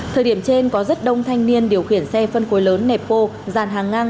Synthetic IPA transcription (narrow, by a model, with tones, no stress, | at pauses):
t̪ʰəː˨˩jɗi˧˩əmt͡ɕe˧nkɔ˨˦zə˦˥t̚ɗə˧wŋ͡mt̪ʰa˧jŋ̟ni˧ənɗi˨˩əwxi˧˩ənsɛ˧fə˧nxo˨˦jləː˨˦nːɛ˨˩p̚ko˧zaː˨˩nɦaː˨˩ŋːaː˧ŋ